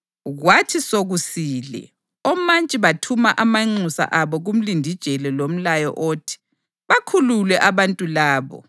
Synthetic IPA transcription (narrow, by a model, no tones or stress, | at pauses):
ɣwatʰisoɣusiːlɛ̰ | ɔmant͡ʃʼiβatʰumaʔamaŋ͡ǀusa̰ʔaβɔɣum̩lindʱid̥ʒ̥ʱɛlɛlom̩lajɔ̰ʔoːtʰi̥ | βakʰululwɛʔaβantʼulaːβɔ̰